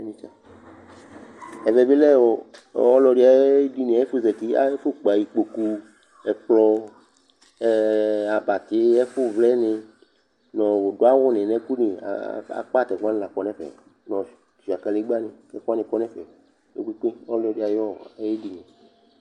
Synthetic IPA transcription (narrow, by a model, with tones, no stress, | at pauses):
nĩ˦t͡ʃa˨ | ɛ˨vɛ˨be˦lɛ˦˨wɔ˨˦ɔ˦lɔ˨˦ɖi˨˦a˨je˦di˦nẽ˨a˨e˦fo˦zɛ˨t̪i˦a̰˦e˦fo˦k͡pa˨ji˨k͡po˨ku˦ | ɛ˨k͡plɔ˦ | a˨ba˨t̪ɪ˨˦ɛ˦fo˦vlɛ˦nẽ˨ | nɔ̃˨wo˨do˦a˦wɔ˦nẽ˨nɛ̃˦ku˦nḛ̃˨a̰˨k͡pa˦˨t̪ɛ˨ɡʷa˦n˦la˨k͡pɔ˨˦nɛ̃˦fɛ̰˨ | nɔ̃˨ | ʃi˨a˨ka˨li˦ɡ͡ba˦nẽ˨kɛ˦fu˦a˦nĩ˨kɔ˦nɛ̃˦fɛ̰˨ | ḛ˦kʷi˦k͡pe˦wɔ˦lɔ˨di˨a˨jɔ˦je˦di˦nẽ˨